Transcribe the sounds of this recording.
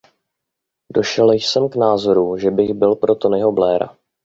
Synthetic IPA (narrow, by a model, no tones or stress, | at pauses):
do̞ʃɛljsɛmknaːzo̞ɾuʒɛbɪɣbɪlpɾo̞t̪o̞nɪɦo̞blɛːɾa̰